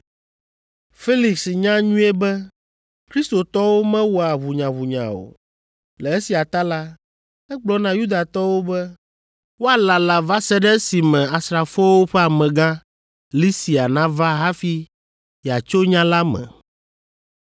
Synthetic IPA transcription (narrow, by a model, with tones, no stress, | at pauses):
fe˦li˨ksɲã˦ɲũ˦e˦bɛ˦ | kɾi˦st̪o˨t̪ɔ˦wo˦mɛ̃˦wɔ˨a˨βu˨ɲã˨βu˨ɲã̰˨o̰˨ | lɛ˨e˦si˨a˨t̪a˦la˦ | ɛ˦k͡plɔ˦nã˨ju˦d̪a˨t̪ɔ˦wo˦bɛ˦ | wo˦a˨la˨la˨va˦sɛ˦ɖɛ˦si˨mɛ̃˨a˨sɾa˨fɔ˦wo˦ɸɛ˦a˨mɛ̃˨ɡã˦ | li˦si˨a˨nã˦va˦ɦa˦fi˦ | ja˨t͡ʃo˦ɲã˦la˦mɛ̰̃˨